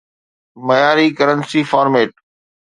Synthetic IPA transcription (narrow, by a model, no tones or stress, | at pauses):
mɐjaːɾikɐɾənsifaːɾmeːʈ̚